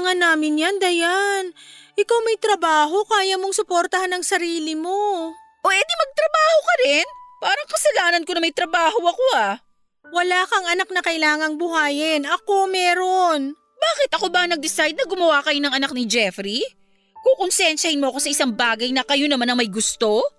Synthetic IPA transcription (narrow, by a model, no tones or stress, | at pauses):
ŋanaːmɪnjand̪ɐjanʔɪkawmɐjt̪ɾɐbaːɦo̞kaːjɐmo̞ŋsʊpoɾt̪ɐhanːɐŋsɐɾiːlɪmo̞ | ʔoʔɛd̪imɐɡ̚t̪ɾɐbaːho̞kɐɾɪnpaːɾɐŋkɐsɐlaːnɐnkonɐmɐjt̪ɾɐbaːɦo̞ʔɐko̞ha | wɐlaːkɐŋɐnak̚nɐkɐɪlaːŋɐŋbʊɦaːjɪnʔɐko̞mɛːɾo̞n | baːkɪt̪ʔɐko̞bɐnɐɡ̚d̪ɪsajd̪̚nɐɡʊmɐwakɐjonɐŋʔɐnak̚nɪd͡ʒɛfɾi | koŋkonsɪjɛnʃɐhɪnmoɐko̞sɐʔɪsaŋbaːɡɐjnɐkɐjonɐmanɐŋmɐjɡʊst̪o̞